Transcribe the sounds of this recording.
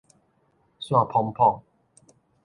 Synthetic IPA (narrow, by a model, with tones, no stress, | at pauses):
swã˥˨pʰɔ˧ŋpʰɔ˥˨ŋ